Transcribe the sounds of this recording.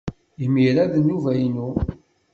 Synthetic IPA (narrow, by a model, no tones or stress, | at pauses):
imiɾaðənːuvæjnu